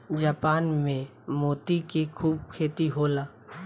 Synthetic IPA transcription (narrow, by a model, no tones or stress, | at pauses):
d͡ʒaːpaːnmẽ | moːt̪ikikʰuːb̚kʰeːt̪iɦoːlaː